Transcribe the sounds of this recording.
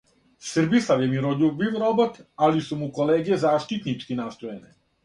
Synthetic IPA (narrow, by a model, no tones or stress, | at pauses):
sr̩bislaʋjemiɾoʎubiʋɾobot̪alisumukoleːɡijezaːʃt̪it̪nit͡ʃkinaːst̪ojene